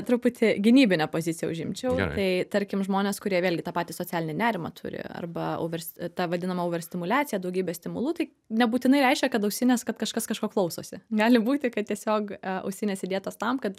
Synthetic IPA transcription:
t̪ɾʊpʊt̪ʲʰɪɡʲɪnʲiːbʲɪnʲɛpoːzʲɪt͡sʲɪjɛʊʒʲɪmʲt͡ʃʲɛʊt̪ɐɪt̪ɐɾʲkʲɪmʒmoːnʲeːskʊɾʲiɛʋʲeːlʲɡʲɪt̪ɑːpɑːt̪ʲiːsoːt͡sʲæːlʲɪnʲɪnʲæːɾʲɪmɐ̰t̪ʰʊ̰ɾʲɪ̰ɐ̰rbɐɐ̰ʊʋʲɛrsʲt̪ɑʋɐd̪ʲɪnɐmɐʊːʋʲɛrʲsʲt̪ʲɪmʊlʲæːt͡sʲɪjɛd̪ɐʊɡʲiːbʲɛsʲt̪ʲɪmʊlˠuːt̪ɐɪ | nʲɛbuːt̪ʲɪnɐɪɾʲɛɪʃʲkʲɛkɐt̪ɐʊkʲsʲɪnʲeskɐt̪kɐʃkɐskɐʃkoːklˠɐʊsoːsʲɪɡɑːlʲɪbuːt̪ʲɪkɐt̪tʲiɛsʲoːkɐ̰ʊʃʲsʲɪnʲɛːsʲɪd̪ʲiɛt̪oːst̪ɐmkɐt̪

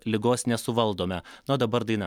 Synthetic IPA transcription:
lʲɪɡoːsnʲɛsʊʋɐlˠd̪oːmʲɛnoːd̪ɐbɐɾd̪ɐɪn

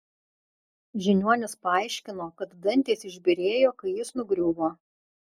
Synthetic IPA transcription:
ʒʲɪnʲuɔnʲɪspɐɐˑɪʃʲkʲɪnoːkɐt̪d̪ɐnʲt̪ʲeːsɪʒʲbʲɪɾʲeːjoːkɐɪjɪsnʊɡɾʲuːboː

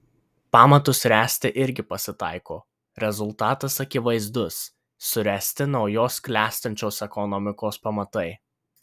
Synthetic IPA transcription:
pɑːmɐt̪ʊsɾʲæːsʲt̪ʲɪʔɪɾʲɡʲɪpɐsʲɪt̪ɑˑɪkoː | ɾʲɛzʊlˠˑt̪ɑːt̪ɐsɐkʲɪʋɐɪzd̪ʊsː | ʊɾʲæːsʲt̪ʲɪnɒʊjoːsklʲæːsʲt̪ɐnʲt͡ʃʲoːsɛkɔnɔmʲɪkoːspɐmɐt̪ɐɪ

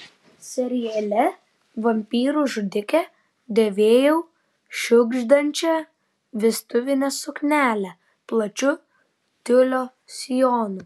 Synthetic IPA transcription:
sʲɛɾʲɪjɛlʲɛ | ʋɐmʲpʲiːɾuʒʊd̪ʲɪkʲɛ | d̪ʲeʋʲeːjɛʊ | ʃʲʊɡʒd̪ɐnʲt͡ʃʲɛ | ʋʲɪst̪ʊʋʲɪnʲɛsʊknʲæːlʲɛ | plˠɐt͡ʃʲʊ | t̪ʲʊlʲoː | sʲɪjoːnʊ

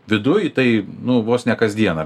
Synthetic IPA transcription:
ʋʲɪd̪ʊjt̪ɐɪnʊʋoːsnʲɛkɐzʲd̪ʲiɛnɐ

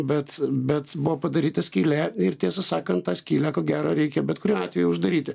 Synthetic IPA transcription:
bʲɛt̪bʲɛt̪bʊʋoːpɐd̪ɐɾʲiːt̪ɐsʲkʲiːlʲæɪrt̪ʲiɛsɐsɑːkɐnt̪̚t̪ɑːsʲkʲiːlʲækoːɡʲæːɾoːɾʲɛɪkʲɛbʲɛt̪kʊɾʲuːɑːtʲʋʲɛjʊʊʒd̪ɐɾʲiːt̪ʲɪ

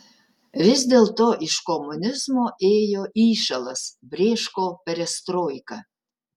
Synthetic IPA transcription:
ʋʲɪzʲd̪ʲeːlˠt̪oːʔɪʃkɔmʊnʲɪzmoːʔeːjoːʔiːʃɐlˠɐsbʲɾʲeːʃkoːpʲɛɾʲɛst̪ɾoːjkɐ

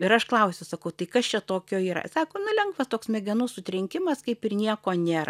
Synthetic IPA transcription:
ɪɾɐʃklˠɐʊsʲʊsɐkɐʊt̪ɐɪkɐst͡ʃʲɛt̪oːkʲoːiːɾɐ̰sɑːkoːnʊlʲɛŋɡʋɐst̪oːksmʲɛɡʲɛnuːssʊt̪ʲɾʲɪŋʲkʲɪmɐskɐɪpɪrnʲiɛkoːnʲeːɾɐ̰

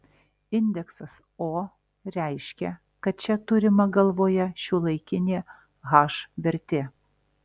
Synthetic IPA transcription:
ɪnʲd̪ʲɛksɐs | oː | ɾʲæˑɪʃʲkʲɛ | kɐt̪̚t͡ʃʲɛt̪ʊɾʲɪmɐɡɐlˠʋoːjɛʃʲulˠɐɪkʲɪnʲeː | ɣɑːʃʋʲɛɾʲt̪ʲeː

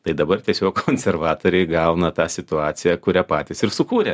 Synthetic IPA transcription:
t̪ɐɪd̪ɐbɐrt̪ʲiɛsʲoːkkʰoːnʲsʲɛrʋɑːt̪oːɾʲɛɪɡɐʊnɐt̪ɑːsʲɪt̪ʊɑːt̪sʲɪjɛkʊɾʲæpɑːt̪ʲɪsɪɾsʊkuːɾʲɛ

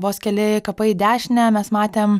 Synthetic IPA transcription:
ʋoːskʲɛlʲɪkɐpɐɪd̪ʲæːʃʲnʲɛmʲɛsmɑːt̪ʲeːm

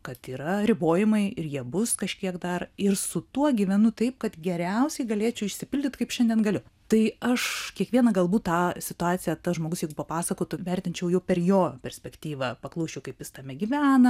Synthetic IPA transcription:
kɐt̪iːɾɐɾʲɪboːjɪmɐɪɪrjiɛbʊskɐʃʲkʲiɛkd̪ɐrɪrsʊt̪uɔɡʲiʋʲɛnʊt̪ɐɪp̚kɐt̪ɡʲɛɾʲɛʊsʲɛɪɡɐlʲeːt͡ʃʲʊɪʃʲsʲɪpʲɪlʲdʲɪt̪kɐɪpʃʲɛndʲiɛnɡɐlʲʊt̪ɐɪɐʃkʲiɛkʋʲiɛnɐɡɐlˠbuːt̪tːɑːsʲɪt̪ʊɑːt͡s̪ʲɪjɛt̪ɐʒmoːɡʊsjɛɪɡʊpɐpɑːsɐkoːt̪ʊʋʲɛrʲt̪ʲɪnʲt͡ʃʲɛʊjɛʊpʲɛrjoːpʲɛɾʲsʲpʲɛkt̪ʲiːʋɐpɐklˠɐʊʃʲt͡ʃʲɛʊkɐɪpjɪst̪ɐmʲɛɡʲiʋʲæːnɐ

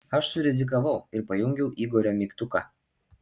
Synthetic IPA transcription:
ɐʃsʊɾʲɛzʲɪk̬ɐʋɐʊɪɾpɐjʊŋʲɡʲɛʊʔiːɡɔɾʲoːmʲikt̪ʊkɑ̰

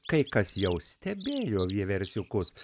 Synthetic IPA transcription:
kɐɪkɐsjɛʊsʲt̪ʲɛbʲeːjoːʋʲiɛʋʲɛɾʲsʲʊkʊs

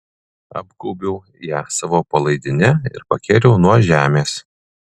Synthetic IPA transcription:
ɐ̰bɡɔʊbʲɛʊ | jæːsɑːʋoːpɐlˠɐɪd̪ʲɪnʲɛɪ̰ɾpɐkʲeːɾʲɛʊnuɔʒʲæːmʲeːs

